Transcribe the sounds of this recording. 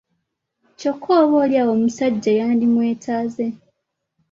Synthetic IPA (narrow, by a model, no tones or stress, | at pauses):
co̞kʰːoːβoːljaːwo̞musaɟːajaːndimwe̞ːtʰaːze̞